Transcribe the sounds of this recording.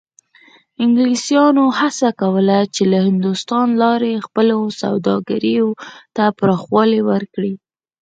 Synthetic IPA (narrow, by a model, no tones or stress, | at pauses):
ɪŋɡlisjɑnohasakawəlat͡ʃelahɪnd̪ust̪ɑnlɑɾexpəlosa̰wd̪ɑ̰ɡaɾijot̪apɾɑxwɑlewəɾkɽi